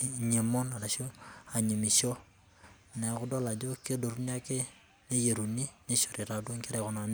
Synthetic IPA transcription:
ɲe˨mo˦na˨ɾa˨ʃo˦a˨ɲi˨mi˨ʃo˦ | nɛ˨kʊ˦do˦la˨d͡ʒo˦ke˦do˨ɾun˦a˦ke˦ | ne˦je˨ɾu˨ni˦ne˦ʃo˨ɾɪ˨ɾa˨dwo˦ŋkɪ˦ɾɛ˨kɔ˨na˨n˦

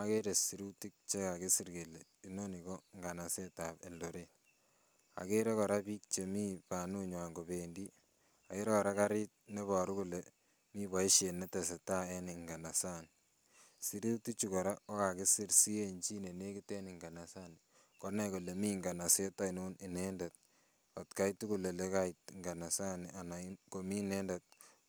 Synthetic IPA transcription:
a˦ke˦ɾe˨si˨ɾu˦ti˦k̚t͡ʃe˦ka˨ki˦si˦ɾke˨le˨ | i˦no˦ni˨ko˦ŋɡa˨na˨se˦ta˨bḛ˨ldo˨ɾe˦ | a̰˨ke˦ɾe˦kɔ˨ɾa˦piː˦k̚t͡ʃe˨mi˦pa˨nu˦ɲwa˨ŋɡo˨be˨ndi˦ | a˨ke˦ɾe˦kɔ˨ɾa˦ka˦ɾi˦t̚ne˦βɔ˨ɾu˦ku˨le˨ | mi˦bɔ˨i˦ʃe˨ne˦te˨se˨ta˦e˦ni˨ŋɡa˨na˨sa˦n | si˦ɾi˦ti˦t͡ʃu˨kɔ˨ɾa˦o˦ka˨ki˦si˦ɾsi˦e˦nt͡ʃi˦ne˨ne˦ki˦tɛ˦niŋɡa˨na˨sa˦n | kɔ˨nɛ˨ku˨le˨mi˦ŋɡa˨na˨se˦ta˦i˨nu˦ni˨nende˨t̚ | ɔ˨tka˦jtu˦ku˨le˨le˦ka˦itŋɡa˨na˨sa˦na˨na˨ko˨mi˦nɛ˦nde˨t̚

